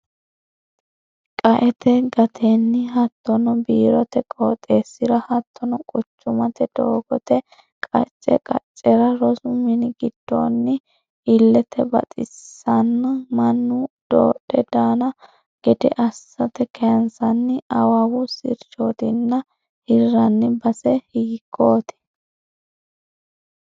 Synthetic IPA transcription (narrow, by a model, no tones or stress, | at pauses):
kʼɐʔɛt̪ʰɛɡɐt̪ʰeːnːɪɦɐt̪ːɔnɔbiːɾɔt̪ɛkʼoːt̪ʼe̞ːsːɪɾɐhɐt̪ʰːɔnɔkʼʊt͡ʃːʊmɐt̪ɛd̪̥oːɡɔt̪ɛ | kʼɐ̰t͡ʃʼːɛ̰kʼɐ̰t͡ʃʼːɛɾɐɾɔsʊmɪnɪɡɪd̪̥ːo̰ːnːɪ | ɪlːɛt̪ʰɛbɐ̰t̪ʼɪ̰sːɐnːɐmɐnːʊd̪̥o̰ːɗɛd̪aːnɐ | ɡ̥ɛd̪ɛ̰ʔɐsːɐt̪ɛkʰɛɐnsɐnːɪɐwɐwʊsɪɾt͡ʃoːt̪ɪnːɐ | hɪrːɐnːɪbɐsɛhiːkʰːo̞ːt̪ɪ̥